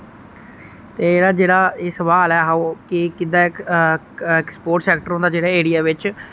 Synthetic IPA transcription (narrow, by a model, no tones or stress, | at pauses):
t̪eːeːɽaːd͡ʒeːɽaːeːsəʋaːlɛːɦaoːkɪkɪd̪aːɪ | ɪkspoːʈsɛːkʈəɾõnd̪aːd͡ʒeːɽaːeːɽijaːʋɪt͡ʃ